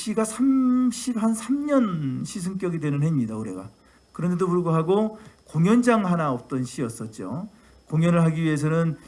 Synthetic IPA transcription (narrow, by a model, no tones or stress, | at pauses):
ɕ͈ʰiɡasʰamɕʰiphansʰamɲʌnɕʰis̬ʰɯŋk͈jʌɡidwe̞nɯnɦe̞imɲidauɾe̞̰ɡa̰ | kɯɾʌnde̞dopuɭɡoɦaɡokoŋjʌnd͡ʑaŋɦanaʌp̚t͈ʌnɕʰiʌs͈ʌt̚t͡ɕ͈o̰ | koŋjʌnɯɭɦaɡiɥiɦe̞s̬ʰʌnɯn